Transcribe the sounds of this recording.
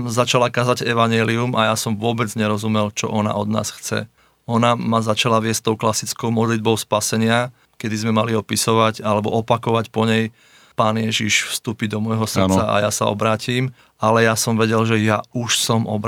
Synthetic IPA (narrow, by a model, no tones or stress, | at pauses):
zat͡ʃalakaːzaɟɛʋaɲɪɛliumʔajasɔmʋʊɔbɛd͡zɲɛɾɔzumɛlt͡ʃɔ̰ʔɔna̰ʔɔd̪na̰ːsxt͡sɛ̰ | ɔnamazat͡ʃalaʋɪɛsst̪ɔʊklasit͡skɔʊmɔd̪lid̪̚bɔʊspasɛɲɪa | kɛd̪izmɛmaliɔpisɔʋaɟalɛbɔʔɔpakɔʋacpɔɲɛj | paːnɪjɛʒiʃfst̪uːpid̪ɔmɔjɦɔsr̩t͡saa̰jasa̰ɔ̰bɾaːciːm | alɛjasɔmʋɛɟɛlʒɛjauʃsɔmɔ̰b